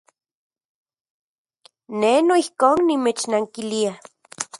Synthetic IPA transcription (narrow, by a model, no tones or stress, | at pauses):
nenoihkoːnːimet͡ʃnaŋkilia